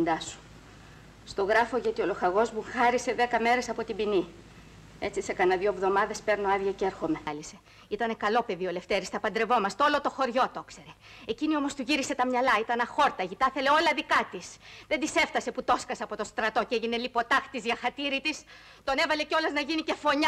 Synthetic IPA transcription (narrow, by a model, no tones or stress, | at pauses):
nd̪ɐsu̥ | st̪o̞ɣɾɐfo̞ʝɐt̪io̞lo̞xɐɣo̞zmuxɐɾise̞ðe̞kɐme̞ɾe̞sɐpo̞t̪ibini | e̞t͡sise̞kɐnɐðjoevðo̞mɐðe̞speɾno̞ɐðʝɐceɾxo̞me̞lise̞ | it̪ɐne̞kɐlo̞pe̞ðio̞le̞ft̪eɾist̪ɐpɐnd̪ɾe̞vo̞mɐst̪olot̪o̞xo̞ɾʝo̞t̪o̞kse̞ɾe̞ | ecinio̞mo̞st̪uʝiɾise̞t̪ɐmɲɐlɐit̪ɐnɐxo̞ɾt̪ɐʝit̪ɐθe̞le̞o̞lɐðikɐt̪isðe̞nd̪ise̞ft̪ɐse̞put̪o̞skɐsɐpo̞t̪o̞st̪ɾɐt̪o̞ceʝine̞lipo̞t̪ɐxt̪izʝɐxɐt̪iɾit̪is | t̪o̞ne̞vɐle̞ceo̞lɐznɐʝinice̞fo̞ɲɐ